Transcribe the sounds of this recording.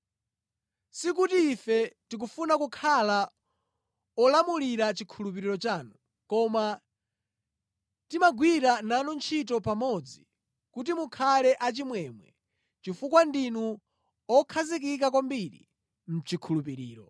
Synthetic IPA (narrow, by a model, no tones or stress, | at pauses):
sik̬utiːfɛtik̬ufunakukʰala | ɔlamuliɾat͡ʃikʰulup̬iɾiɾɔt͡ʃaːnu | kɔma | timaɡwiɾananɔnt͡ʃʰitɔpamɔd͡zi | kut̬imukʰalɛʔat͡ʃimwɛmwɛ̰ | t͡ʃifukwandinu | ɔkʰazik̬ik̬ak̬wambiɾḭ | m̩t͡ʃikʰulupiɾḭːɾɔ̰